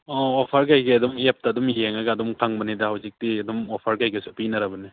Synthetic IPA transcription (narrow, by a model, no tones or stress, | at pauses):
ɔopʰaɾɡajɡeɐdumep̚taːdumjeŋaɡaːdumkʰaŋbɐnidahawzik̚diɐdumɔpʰaɾɡajɡasupinɐɾabɐni